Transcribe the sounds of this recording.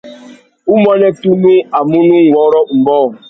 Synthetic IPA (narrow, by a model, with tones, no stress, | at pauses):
u˦mɔ˦ne˦tu˦nu˦a˨mu˦nu˦ŋ˨wɔ˨˦ɾɔ˦m̩˨bɔː˦˨